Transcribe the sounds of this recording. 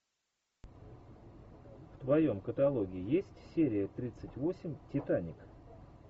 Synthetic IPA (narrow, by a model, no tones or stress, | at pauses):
ft̪vɐjo̞mkət̪ɐlˠo̞ɡʲɪːjesʲtʲsʲeɾʲɪjət̪ɾʲit̪sɨtʲvo̞sʲɪmʲtʲɪt̪anʲɪk